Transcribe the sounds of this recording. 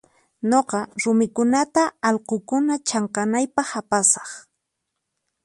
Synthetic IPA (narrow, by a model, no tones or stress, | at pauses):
ɲoqɑɾʊmɪkʊnat̪aːlqokʊnat͡ʃɑɴqɑnajpɑχapasɑ̥χ